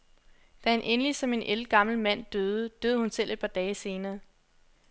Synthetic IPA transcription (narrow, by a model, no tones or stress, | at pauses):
d̥æenʔenlisɒ̽me̝nʔelɡ̥ɑ̈ml̩mæn̰d̥øːð̞ˠəd̥øːð̞̩ˠhunsel̰ʔe̝d̥̚pʰɑ̈d̥ɛːɪse̝ːnɐː